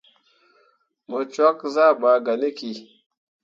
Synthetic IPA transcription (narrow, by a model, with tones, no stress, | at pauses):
mə˨t͡ʃa˦kza˦ɓa˨ɡa˨ni˦ki˨